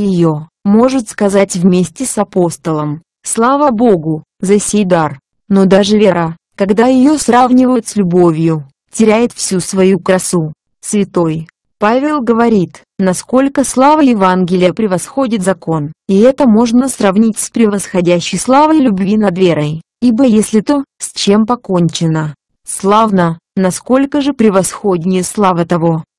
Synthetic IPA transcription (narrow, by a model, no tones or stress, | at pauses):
jɪjo̞ | mo̞ʐɨt̪skɐzatʲvmʲesʲtʲɪsɐpo̞st̪əlˠəm | slˠavəbo̞ɡʊ | zɐsʲejd̪ar | no̞d̪aʐɨvʲeɾa | kɐɡd̪ajɪjo̞sravnʲɪvəjɪt̪sʲlʲʊbo̞vʲjʊ | tʲɪɾʲæjɪt̪fsʲusvɐjukɾɐsu | svʲɪt̪o̞j | pavʲɪlˠɡəvɐɾʲit̪ | nɐsko̞lʲkəslˠavəjɪvanɡʲɪlʲɪjəpɾʲɪvɐsxo̞dʲɪt̪zɐko̞niɛt̪əmo̞ʐnəsrɐvnʲitʲspɾʲɪvəsxɐdʲæɕːɪjslˠavəjlʲʊbvʲinɐd̪vʲeɾəj | ibəjesʲlʲɪt̪osʲt͡ɕe̞mpɐko̞nʲt͡ɕɪnə | slˠavnənɐsko̞lʲkəʐɨpɾʲɪvɐsxo̞dʲnʲɪjəslˠavət̪ɐvo̞